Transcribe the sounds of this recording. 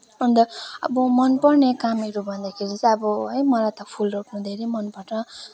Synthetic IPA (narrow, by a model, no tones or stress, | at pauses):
ʌnd̪ʌʌ̰bʌmʌnpʌrnekamʌɾubʱʌnd̪akʰeɾit͡sʌʌbʌɦʌjmʌlajt̪ʌpʰulrokʰnũd̪ʱeɾemʌnpʌʈʌ